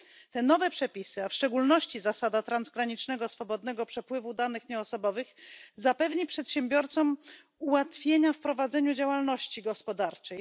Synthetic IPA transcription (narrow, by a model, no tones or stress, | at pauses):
t̪ɛnɔvɛpʂɛpʲisɘafʂt͡ʂɛɡulnɔɕt͡ɕizasad̪at̪ɾanzɡɾaɲit͡ʂnɛɡɔsfɔbɔd̪nɛɡɔpʂɛpwɘvud̪anɘxɲɛɔsɔbɔvɘxzapɛvɲipʂɛt̪ɕɛmbʲjɔɾt̪sɔm | uwat̪fʲjeɲafpɾɔvad̪zɛɲud͡ʑawalnɔɕt͡ɕiɡɔspɔd̪aɾt͡ʂɛj